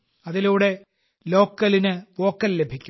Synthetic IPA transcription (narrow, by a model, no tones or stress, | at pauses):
ɐðiluːɽe̞ | lo̞ːkːɐlinɨʋo̞ːkːɐlːe̞bʱikʲːu